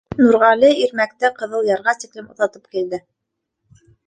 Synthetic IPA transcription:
nuɾʁɑliiɾmækt̪ɘqɤ̆ðɤlˠjɑɾʁɑt̪iklɘmʔŏ̰θɑt̪ɤp̚kild̪ɘ

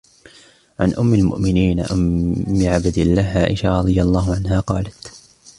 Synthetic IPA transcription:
ʕanʔʊmːalmʊ̰ʔmɪniːnaʔʊmːɪʕabd̪ɪlːaːɦʕaːʔɪʃaɾˤɑd̪ˤɨjalˤːɑːɦʊʕanɦaːqɑːlat̪

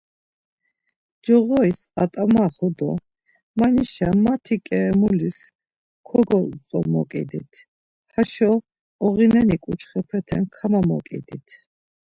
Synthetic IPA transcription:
d͡ʒɔʁɔisat̪ʼamaχɔd̪ɔ | maniʃamat̪ʰikʼɛmulis | kʰɔɡɔt͡sʼɔmɔ̰kʼḭd̪ḭt̪ʰ | haʃɔ | ɔʁinɛnikʼut͡ʃʰχɛpʰɛt̪ʰɛnkʰamamɔ̰kʼḭd̪it̪ʰ

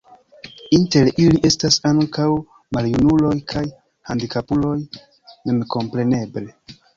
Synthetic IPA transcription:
inte̞ɾiliʔe̞stasaŋkaw | maljunulo̞jkʰaj | handikapulo̞j | me̞mko̞mpɾe̞ne̞ble

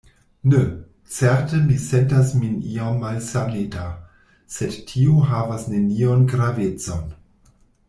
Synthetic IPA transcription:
ne | t͡seɾtəmisentasminiamːalsaneta | sedtʰioɦavasne̞nionɡɾavet͡so̞n

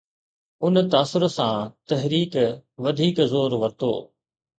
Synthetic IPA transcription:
ʊnt̪aːsʊɾsãt̪ɐɦɾiːkʋɐd̪ʱiːkzoːɾʋɐɾt̪o̰ː

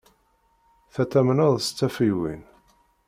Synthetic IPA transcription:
θæt̪ːæmnəðˤst͡sːæfiwḭn

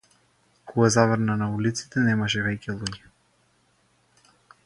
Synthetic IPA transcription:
kʰɔɡazavəɾnanaulit̪si̥t̪ɛnɛmaʃɛvɛcʲɛlˠuɟɛ

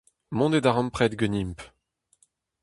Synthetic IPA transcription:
mɔ̃d̪ed̪aʁɑ̃mpχɛd̪ɡənimp

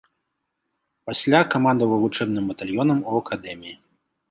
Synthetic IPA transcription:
pasʲlʲakamand̪ɐvɐvut͡ʂɛbnɨmbɐt̪alʲjɔnɐmuɐkad̪ɛmʲiji

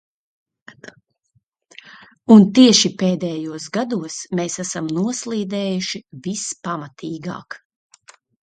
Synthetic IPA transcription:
unt̪iɛʃipeːd̪ɛːjuɔsɡad̪uɔsmeːsæsamnuɔslˠiːd̪ɛːjuʃivispamat̪ʰiːɡa̰ːk

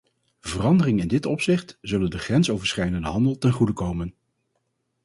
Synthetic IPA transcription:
vərɑndərɪŋɪndɪtɔpsɪχtz̥ɵləndəχrɛnsowvəɹsχɛjdəndəɦɑndəlˠtɛnχudəkowmən

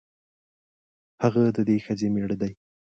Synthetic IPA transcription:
haɣad̪əd̪exəzemeɽd̪aj

